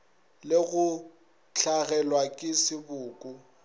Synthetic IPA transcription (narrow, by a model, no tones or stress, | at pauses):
lɪɣʊ | t͡ɬʰaɣɛlwakʼɪsɪbʊːkʼu